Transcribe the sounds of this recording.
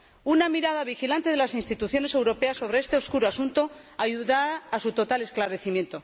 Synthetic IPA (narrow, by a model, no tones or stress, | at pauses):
unamiɾaðaβixilant̪e̞ðe̞lasinst̪it̪uθjo̞ne̞se̞wɾo̞pe̞asːo̞βɾeest̪eo̞skuɾoasunt̪o̞ | aʝuðaːsut̪o̞t̪ale̞sklaɾe̞θimje̞nt̪o̞